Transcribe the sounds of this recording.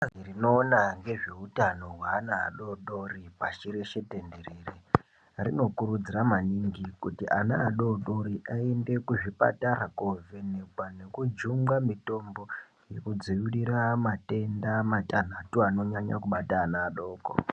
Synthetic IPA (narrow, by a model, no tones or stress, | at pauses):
zirino̞ːnaŋɡe̞ʐe̞utano̞ɦwaːna̰ːɗoɗoripat͡ʃiɾeʃe̞te̞nde̞ɾere | rino̞kuɾud͡ziramaniŋɡikutiʔanaːɗoɗoɾiʔaende̞kuʐipa̰taɾakove̞nekwane̞kud͡ʒuŋɡamito̞mbo̞ | je̞kud͡zijuɾiɾamate̞ndamatan̤atuano̞ɲaɲa̰kuɓataːnaːɗo̞ːko̰